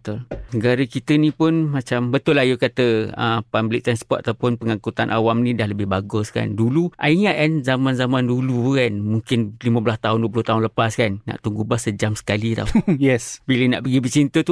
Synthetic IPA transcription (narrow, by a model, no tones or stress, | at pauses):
ət̪ʊlnəɡaɾəkit̪ənĩpʊnmat͡ʃambət̪ʊlajukat̪əə̰pamblɪ̰k̚t̪ɾanspɔrt̪̚at̪awpʊnpəŋakut̪anʔa̰wamnĩdahləbɪhbaɡʊska̰nduluʔa̰iŋaʔkanzamanzamandulukanmuŋkɪnlimə̃bəlast̪aɦʊnduəpulʊht̪aɦʊnləpaskanːa̰ʔt̪uŋɡubasːəd͡ʒamsə̥kalit̪a̰jɛsbiləna̰ʔpəɡibət͡ʃint̪ət̪u